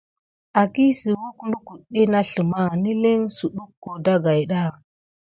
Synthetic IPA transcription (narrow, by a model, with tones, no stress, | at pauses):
a˨ki˦si˨wu˦klu˦ku˨ɗi˦na˦ɬə˨ma˦ni˦li˦ŋsu˨ɗu˦kːo˨da˦ɡa˨jɗa˦˨